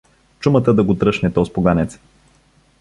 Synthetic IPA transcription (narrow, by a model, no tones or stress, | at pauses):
t͡ʃumət̪əd̪ɐɡot̪ɾɤʃnɛt̪ɔspoɡanɛt̪s